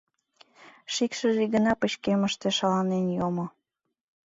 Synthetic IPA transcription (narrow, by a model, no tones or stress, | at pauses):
ʃikʃə̆ʒiɣənɑpə̆t͡ɕkeməʃt̪eʃɑlɑnenjomo